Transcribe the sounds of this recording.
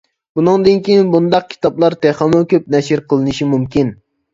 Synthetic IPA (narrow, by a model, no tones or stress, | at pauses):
bunɨŋd̪ɨnkʲijinbund̪ɑq̚kʲʰi̥t̪ɑplˠɑɾt̪ʰeχɑmɨkʲʰøp̚nɛʃɪɾqʰəlˠɨnɨʃimumkʲin